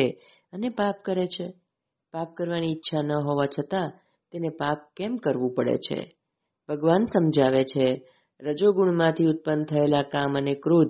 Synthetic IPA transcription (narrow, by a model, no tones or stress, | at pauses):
e | ənepapkəɾet͡ʃʰe | pap̚kəɾʋaniːtːʃʰanəɦoʋat͡ʃʰət̪a | t̪enepap̚kɛmkəɾʋũpəɽḛt͡ʃʰḛ | bʱəɡʋansəmd͡ʒaʋet͡ʃʰe | ɾəd͡ʒoɡuɳmãt̪ʰiʊt̪̚pənt̪ʰəelakamənekɾud̪